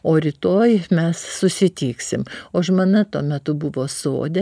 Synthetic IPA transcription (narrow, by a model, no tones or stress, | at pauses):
oːɾʲɪt̪oːjmʲɛssʊsʲɪt̪ʲiːksʲɪmoːʃmɐnɐt̪uɔmʲɛt̪ʊbʊʋoːso̰ːd̪ʲɛ